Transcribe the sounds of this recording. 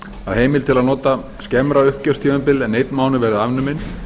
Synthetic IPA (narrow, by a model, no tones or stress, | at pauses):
aðɦeːjmɪlt̪ʰɪlaðnɔːt̪a | scɛmɾaʏhcœst̪ʰivɛmpɪlɛnːejt̪nmaːwnɪvɛːɾɪðavnʏmɪn